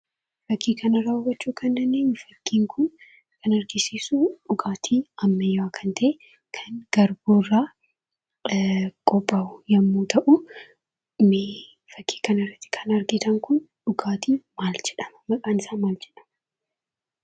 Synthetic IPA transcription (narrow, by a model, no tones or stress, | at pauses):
fɐkʰːiːkʰɐnɐɾaɔwɐt͡ʃːuːkʰɐnːɐnːeːnfɐkːiːŋkʰʊn | kʰɐnɐɾɡɪsiːsʊᶑʊɡaːt̪ʰiːɐmːɐjakʰɐnt̪ʰɐʔe | kʰɐnɡ̥ɐɾboːrːaː | kʼɔbʼːaʊjɐmːuːt̪ʰɐʔʊ | meː | fɐkʰːi̥ːkɐnɐɪrːɐt̪ːɪ̥kʰɐnɐɾɡɪt̪ɐŋkʊnᶑʊɡaːt̪ʰiːmaːld͡ʒɛᶑɐmɐmɐkʼaːnɪsaːmaːld͡ʒɛᶑɐ̥m